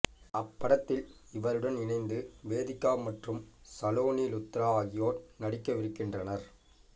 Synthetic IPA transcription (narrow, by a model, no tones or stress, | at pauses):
ɐpːɐɽɐt̪ːɪlɪʋɐɾɯɽɐnɪnɐɪnd̪ɯʋeːðɪkːaːmɐʈrɯmsɐloːniːlʊt̪ːɪɾaːɣɪjoːɾnɐɽɪkːɐʋɪɾɯkːɪndrɐnɐɾ